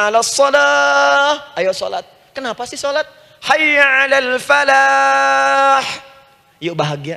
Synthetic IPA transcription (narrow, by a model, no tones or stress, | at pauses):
alasˤːɔdahʔajaso̰la̰t̪̚ | kənapasɪhsolat̪̚ | hajʕalalfala | ħ | joʔbaɦaɡia